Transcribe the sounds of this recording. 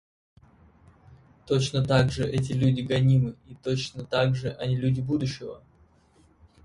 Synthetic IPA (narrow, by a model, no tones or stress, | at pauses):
t̪ot͡ɕnət̪aɡʐɨʔɛt̬ʲɪlʲʉdʲɪɡɐnʲimɨit̪ot͡ɕnət̪aɡʐɨʔɐnʲilʲʉdʲɪbud̪ʊɕːɪvə̰